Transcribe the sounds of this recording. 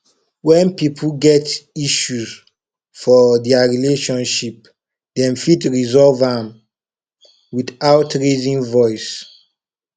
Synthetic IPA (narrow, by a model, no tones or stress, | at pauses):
wɛ̃npipʰuɡɛtiʃuz | fɔdɛaɹileʃɔ̃nʃip̚ | dɛ̃mfitɹizɔlvãm | wiθawtɹezĩŋvɔɪs